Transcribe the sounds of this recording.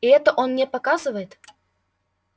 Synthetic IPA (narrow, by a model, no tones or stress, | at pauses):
iɛt̪əʔonmnʲepɐkazɨvəjɪt̪